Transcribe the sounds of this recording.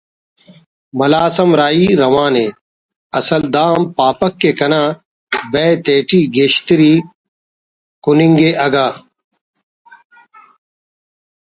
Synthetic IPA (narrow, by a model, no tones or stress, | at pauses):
mɐlaːsɐmɾaːiːɾɐmaːne | ɐsɐld̪aːmpaːpɐkːeːkɐnãː | bet̪eːʈiːɡeːɕt̪iɾiː | kuniŋɡeʔɐɡaː